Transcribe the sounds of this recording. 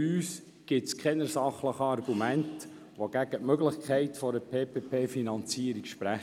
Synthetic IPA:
yːs | ɡ̥ɪtskʰɛnəɾsɑχləχəɑrɡumænt | ʋoɡ̥æɡətmøɡləχkʰɛɪtfɔɾəpʰeːpʰeːpʰeːfinɑnt͡siːəɾikʃpɾæχ

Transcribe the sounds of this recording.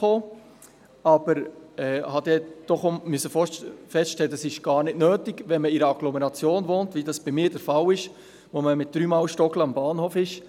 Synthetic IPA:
oː | ɑb̥əɾɛːhɑd̪ɛd̥ɔχomysəfoːfɛstʃtɛləəsɪʃɡ̥ɑːɾnɪtnøːtɪɡʋɛnməɪɾəɑɡ̥lɔmɛɾɑt͡sjoːnvoːntvidɑsb̥imɪːd̥ɛɾfɑlɪʃ | ʋoməmɪt̚d̥ɾyːmɑːlʃtɔkləɑmbɑːnhoːfɪʃ

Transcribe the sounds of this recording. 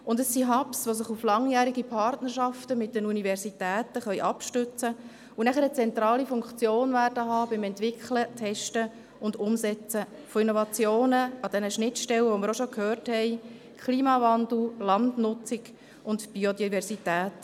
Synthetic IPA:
ʊndəsːiɦɑpsʋos̬ɪχuflɑŋjæːɾiɡipʰɑrtnərʃɑftəmɪt̚dənunivɛɾsitæːtəχœʏʔɑpʃtʏt͡sə | unæχəɾət͡sɛnt̪ɾɑːlifʊŋkt͡sjoːnvæːrdəɦɑːbɪmɛntʋɪkχlətʰɛʃtə | ʊndʊmsɛt͡səfoinovɑt͡sjoːnəɑd̥ɛnəʃnɪtʃtɛləʋoməɾoʃokhøːrthɛɪ | kʰliːmɑvɑnd̪l̩lɑndnʊt͡sɪɡ̥ | ʔʊndb̥iodivɛɾsitæːt

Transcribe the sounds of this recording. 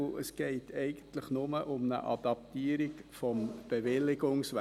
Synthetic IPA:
ə̰sɡ̥ɛɪtʰɛɪɡ̥ən̩tləχnʊməʔʊmnə̰ʔɑ̰d̥ɑp̚tiːəɾikfɔmb̥eʋɪlːɪɡʊŋsʋæ

